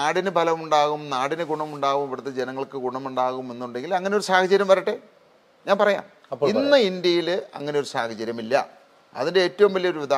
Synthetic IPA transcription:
aːɽinɨbʱɐlɐʋmuɳɖaːɣumnaːɽinɨɡuɳɐmuɳɖaːɣumiʋiɽt̪ːed͡ʑenɐŋːɐɭkɨɡuɳɐmuɳɖaːɣume̞nːuɳɖe̞ŋɡilɐŋːɐneo̞ɾusaːhɐt͡ɕːɐɾjɐmʋɐɾɐʈːe | ɲaːnpɐrɐja̰ːm | ɐinːɨind̪jɐjilɐ̰ŋːɐne̞joɾusa̰ːhɐt͡ɕːɐɾjɐmilːɐ̰ | ɐ̰ðinde̞eːtːɐʋumʋɐlːijo̞ɾuʋid̪ʱaː

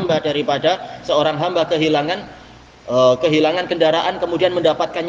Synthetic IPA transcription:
mbadaɾipadasəoɾaŋɦambakəɦilaŋan | əkəɦilaŋankəndaɾaʔankəmudianməndapat̪̚kan

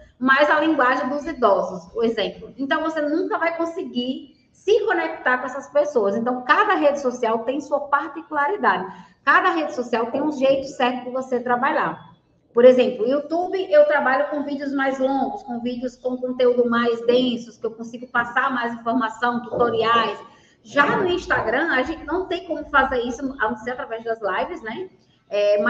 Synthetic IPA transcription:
majzalĩɡwaʒẽj̃d̪ʊzid̪ɔzʊsoezẽmplʊẽnt̪ɐ̃w̃vosenũkɐvajkõsiɡi | sɪkõnek̚t̪aɾkõɛsɐspesoɐzẽnt̪ɐ̃w̃kad̪ɐɦed͡ʒɪsosiawt̪ẽj̃suɐpaɾt̪ikulaɾid̪ad̪ɪ | kad̪ɐɦed͡ʒɪsosiawt̪ẽj̃ũʒejt̪ʊsɛɾt̪ʊdɪvoset̪ɾabaʎaɾ | poɾezẽmplʊiut̪ubɪʔewt̪ɾabaʎʊkõvid͡ʒiʊzmajzlõɡʊskõvid͡ʒiʊskõkõnt̪eud̪ʊmajzd̪ẽsʊskɪewkõsiɡʊpasaɾmajzĩfoɾmasɐ̃w̃t̪ut̪oɾiajs | ʒanʊĩʃt̪aɡɾɐ̃aʒẽnt̪ɪnɐ̃w̃t̪ẽj̃kõmʊfazeɾisʊavoseat̪ɾavɛzd̪ɐzlajvɪznɛ | ɛm

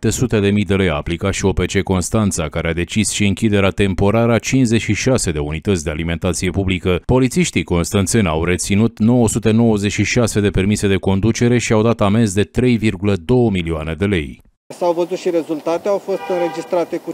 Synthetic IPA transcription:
t̪esut̪e̞d̪e̞mijd̪e̞le̞jaːplikat̪ʃio̞pe̞t͡ʃe̞ko̞nst̪ant̪sakaɾead̪e̞t͡ʃisʃiɨŋkʲid̪e̞ɾeat̪e̞mpo̞ɾaɾəat͡ʃinze̞ʃiʃase̞d̪e̞unit̪ət̪sʲd̪e̞alime̞nt̪at̪sije̞publikəpo̞lit̪siʃt̪iko̞nst̪ant̪senʲa̰wre̞t̪sinut̪no̞wəsut̪eno̞wəzeʃiʃase̞d̪e̞pe̞rmise̞d̪e̞ko̞nd̪ut͡ʃe̞ɾe̞ʃiawd̪at̪ame̞zd̪e̞t̪ɾe̞jvirɡuləd̪o̞wəmilioane̞d̪e̞le̞̰j | sawvəzut̪ʃiɾezult̪at̪eawfo̞st̪ɨnɾe̞d͡ʒist̪ɾat̪e̞ku

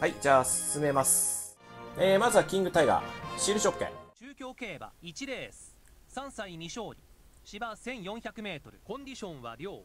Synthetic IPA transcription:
haid͡ʑaːsɨ̥sɨme̞masɨ̥ | eːmazɨβakʲĩŋɡɯ̟t̪aiɡa̰ɕiɾɯ̟ɕokːḛ̃t͡ɕɨːkʲo̞ːke̞ːba̰it͡ɕiɾe̞ːsɨ̥ | sãɰ̃saimʲiɕo̞ːɾʲi | ɕibasẽ̞ɰ̃jõ̞ɰ̃çakɯ̟me̞ːt̪o̞ɾɯ̟kõ̞ɲd̪ʲiɕõ̞ɰ̃βa̰ɾʲo̞ː

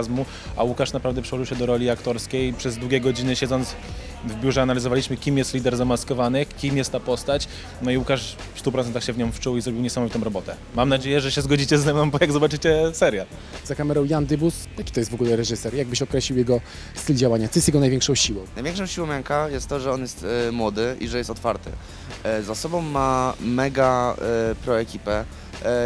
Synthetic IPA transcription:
zmu | a̰wukaʂnapɾavd̪ɛpʂɛwɔʐɨwɕɛd̪ɔɾɔlʲiakt̪ɔɾskʲejpʂɛzd̪wuɡʲɛɡɔd͡ʑinɘɕɛd̪zɔnt̪s | vbʲjuʐɛanalʲizɔvalʲiɕmɘkʲimjɛst̪lʲid̪ɛɾzamaskɔvanɘxkʲimjɛst̪ːapɔst̪at͡ɕ | nɔiwukaʂ | fst̪up̬ɾɔt̪ɛnt̪axɕɛvɲɔ̃w̃mft͡ʂuwizɾɔbʲiwɲɛsamɔvʲit̪ɔ̃w̃ɾɔbɔt̪ɛ | mamnad͡ʑejɛʐɛɕɛzɡɔd͡ʑit͡ɕɛzːɛmnɔ̃w̃bɔjaɡzɔbat͡ʂɘt͡ɕɛsɛɾʲja | zakamɛɾɔwjand̪ɘbusjakʲi̥t̪ɔjɛst̪vɔɡulɛɾɛʐɘsɛɾjaɡ̚bɘɕɔkɾɛɕlʲiwjɛɡɔ | st̪ɘld͡ʑawaɲat̪ɔjɛst̪jɛɡɔnajvʲjɛŋkʂɔ̃w̃ɕiwɔ̃w̃najvʲɛ̃ŋkʂɔ̃w̃ɕiwɔ̃w̃maŋkajɛst̪ːɔʐɛɔnjɛst̪mwɔd̪ɘḭʐɛjɛst̪ɔt̪faɾt̪ɘ̰ | zasɔbɔ̃wːamɛɡa | pɾɔɛkʲipɛ

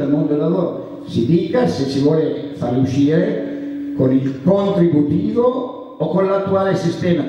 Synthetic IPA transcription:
almõnd̪olaðɔɾ | sid̪ikasesivɔlefaɾuʃiɾkonilpɔnt̪ɾibut̪iːvoː | konlat̪ːualesist̪ɛma

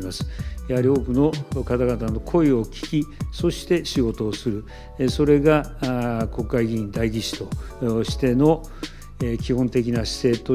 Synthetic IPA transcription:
masɨ̥jahaɾʲio̞ːkɯ̟no̞kat̪aɡat̪ano̞kʰo̞io̞kʲi̥kʲiso̞ɕi̥t̪e̞ɕiɡo̞t̪o̞ːsɨɾɯ̟ | so̞ɾe̞ɡa | ko̞kːaiɡʲĩnd̪aiɡʲit͡ɕi̥t̪o̞ɕi̥t̪e̞no̞ | ekʲihõ̞nt̪e̞kʲinaɕi̥se̞ːt̪o

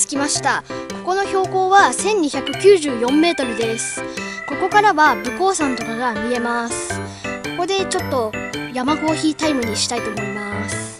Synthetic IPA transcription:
t͡sɨ̥kʲimaɕi̥t̪ako̞ko̞no̞ço̞ːko̞ːβasẽ̞ɲ̟ːiçakɯ̟kʲɨːʑɨːjõ̞mːe̞ːt̪o̞ɾɯ̟d̪e̞sɨ̥ | ko̞ko̞kaɾaβabɯ̟ko̞ːsãnt̪o̞kaɡamʲie̞masɨ̥ | ko̞ko̞d̪e̞t͡ɕo̞t̪ːo̞jamaɡo̞ːçiːt̪aimɯ̟ɲ̟iɕi̥t̪ait̪oːmo̞imasɨ̥

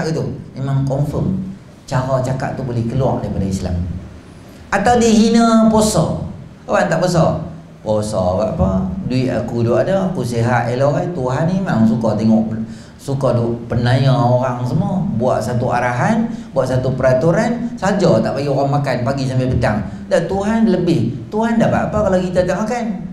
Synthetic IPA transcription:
aʔɡit̪uemaŋkɔmfəm | t͡ʃaɾɔt͡ʃaka̰ʔt̪ubolɛhkəlua̰ʔ̚daipadaisla̰m | at̪awdəɦinəpɔsɔ | oɣaŋt̪aʔbəs̬ɔ | posɔ̰abaʔpəduɪʔ̪a̰kudoʔadəakusiɦaʔeloɣajt̪uɦanemaŋs̬ukɔt̪ɛŋɔʔ | sukɔduʔpənajaoɾaŋs̬əmuɔbua̰ʔsat̪uʔa̰ɾaɦanbuaʔsat̪upəɾat̪uɾansad͡ʒɔt̪aʔpaɡioɣaŋmakanpaɡisampɛpət̪aŋ | daʔt̪uɦanləbɪht̪uɦandaʔpaʔapəkalakit̪at̪aʔmakan

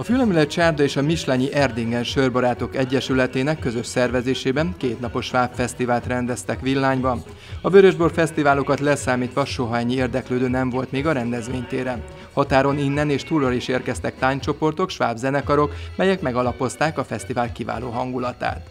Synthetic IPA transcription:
ɒfylɛmylɛt̪t͡ʃaːrd̪ɒeːʃɒmiʃlaɲiʔɛrd̪iŋɡɛnʃørbɒɾaːt̪o̞kɛɟːɛʃylɛt̪eːnɛkːøzø̞ʃsɛrvɛzeːʃeːbɛnkeːt̪nɒpo̞ʃːʋaːpfɛst̪ivaːlt̪rɛnd̪ɛst̪ɛkʋilːaːɲbɒn | ɒvøɾøʒbo̞rfɛst̪ivaːlo̞kɒt̪lɛsaːmiːt̪ʋɒʃo̞ɦɒɛɲːieːrd̪ɛkløːd̪øːnɛɱvo̞lt̪meːɡɒɾɛnd̪ɛzʋeːɲt̪eːɾɛ | hɒt̪aːɾo̞ninːɛneːʃt̪uːrːɒliʃeːrkɛst̪ɛk̚t̪aːɲt͡ʃo̞po̞rt̪o̞kʃʋaːbzɛnɛkɒɾo̞kmɛjɛkmɛɡɒlɒpo̞st̪aːkɒfɛst̪ivaːlkiva̰ːlo̰ːɦɒŋɡulɒt̪a̰ːt̪

